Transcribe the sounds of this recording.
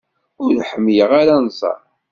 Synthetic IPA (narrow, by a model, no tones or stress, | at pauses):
ʊɾħəmːjəʁaɾanzˤɑ̰ɾ